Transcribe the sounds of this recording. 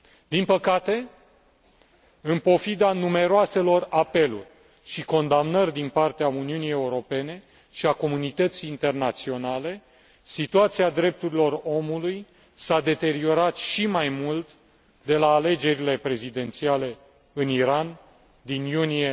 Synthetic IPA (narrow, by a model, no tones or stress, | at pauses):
d̪̥inpəkat̪e̞ | ɨnpo̞fid̪anume̞ɾoase̞lo̞rape̞lṵrʲ | ʃiko̞nd̪amnərʲd̪inpart̪eauniunie̞uɾo̞pe̞ne̞ | ʃiako̞munit̪ət̪sijːnt̪e̞rnat̪sio̞nale̞ | sit̪uat̪siad̪ɾe̞p̚t̪uɾilo̞ro̞muluj | sad̪e̞t̪e̞ɾio̞ɾat̪ʃimajmult̪ | d̪e̞laːle̞d͡ʒe̞ɾile̞pɾe̞zid̪e̞nt̪siale̞ | ɨniɾan | d̪injunije̞